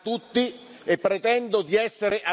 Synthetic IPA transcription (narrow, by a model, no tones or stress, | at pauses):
t̪ut̪ːi | epːɾet̪ɛnd̪od̪iɛsːeɾeʔa